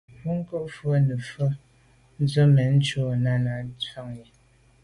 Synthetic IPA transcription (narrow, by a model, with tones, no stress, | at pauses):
u˦ŋ˦kə˦ʔfwə˦nə˨fə˦ | n̩˦zə˦mɛ˨n̩˦t͡ʃo˦˨na˦na˨˦t͡sa˦ŋje˨